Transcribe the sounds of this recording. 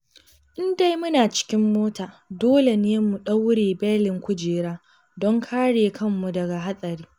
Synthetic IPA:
ʔɪ˦nda˦jmʊ˦naː˨t͡ʃɪ̥˦kʲɪ˦mːoː˦taː˨doː˦le˨neː˦mu˨ɗɐ˦wɽeː˨bɛ˦lɪ˨ŋkʷʊ˦d͡ʒeː˨ɽaː˦ | dɔ˦ŋkʰaː˦ɽeː˨kʰɐ˦˨mːu˨dɐ˨ɡa˨ɦa˦sʼɐ˨ɾiː˦

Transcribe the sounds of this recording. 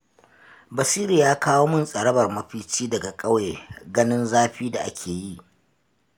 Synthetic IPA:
bɐ˨siː˦ɾi˨jaː˦kʰaː˦woː˦mʊ˦nsʼɐ˨ɽɐ˦bɐ˨rmɐ˦ɸiː˦t͡ʃiː˦dɐ˨ɡa˨kʼɐ˦we˨ɡɐ˦nɪ˦nzaː˦ɸiː˦da˨ʔa̰˦kʲʰeː˨ji˦˨ʔ

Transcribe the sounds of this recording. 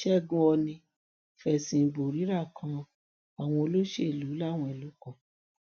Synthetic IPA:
ʃɛ˦˨ɡũ˧ɔ˧nĩ˧ | fɛ˨sĩ˧˨bo˨ɾi˨˦ɾa˦˨kʰã˧ | a˨w̃ɔ̃˧o˧lo˦ʃe˦˨lu˨˦la˦˨w̃ɔ̃˧e˨lu˨˦kɔ̃˦˨

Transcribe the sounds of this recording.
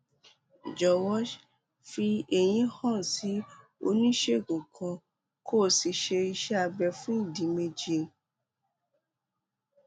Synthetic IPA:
d͡ʒɔ˨wɔ˦ʃ | fi˧e˨j̃ĩ˧˦hã˦˨si˨˦ | o̰˧nĩ˦ʃe˦˨ɡũ˨kʰã˧ | kʰo˦˨si˧ʃe˧i˧ʃɛ˦a˧bɛ˧fũ˦i˦˨dĩ˨˦me˧d͡ʒe˧˨

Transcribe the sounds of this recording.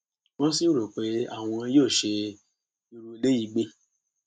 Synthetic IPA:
wɔ̃˦si˦ɾo˨k͡pe˨˦a̰˦˨w̃ɔ̃˧˦joː˦˨ʃe˧ | i˧ɾu˧i˧le˦ji˨ɡ͡be˧˦

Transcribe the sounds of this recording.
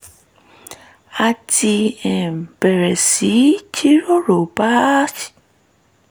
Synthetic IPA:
a˧tʰi˧ɛ˨m̩˨bɛ˨ɾɛ˨si˨˦t͡ʃi˦ɾo˦ɾo˨ba˦si̥˨

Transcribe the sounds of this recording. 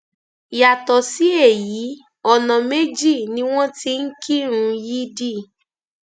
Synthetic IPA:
ja˨tɔ˨si˨˦e˦˨ji˨˦ | ɔ˧nã˨me˦d͡ʒi˦˨nĩ˧˦w̃ɔ̃˦ti˧n̩˦kʰi˦ɾ̃ũ˧ji˦di˦˨

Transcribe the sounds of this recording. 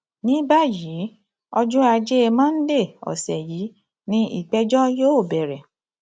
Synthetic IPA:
nĩ˨˦ba˦˨ji˨˦ | ɔ˦d͡ʒũ˦a˧d͡ʒe˦e˧mãː˦n̩˦de˦˨ɔ̰˨sɛ˨ji˨˦ | nĩ˦ḭ˦˨k͡pɛ˦d͡ʒɔ˦joː˦o˦˨bɛ˨ɾɛ˨

